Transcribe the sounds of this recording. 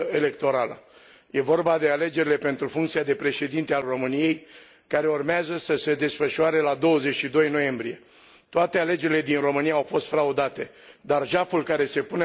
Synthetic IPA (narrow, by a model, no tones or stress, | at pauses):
ele̞k̚t̪o̞ɾalə̰ | je̞vo̞rbad̪e̞ale̞d͡ʒe̞ɾile̞pe̞nt̪ɾufuŋkt̪siad̪e̞pɾe̞ʃe̞d̪int̪ealro̞mɨnije̞j | kaɾe̞urmeazəsəse̞d̪e̞sfəʃuaɾe̞lad̪o̞wəze̞t͡ʃʃid̪o̞jno̞je̞mbɾije̞ | t̪oat̪e̞ale̞d͡ʒe̞ɾile̞d̪inro̞mɨnijaːwfo̞st̪fɾaud̪at̪e̞ | d̪arʒafulkaɾe̞se̞pune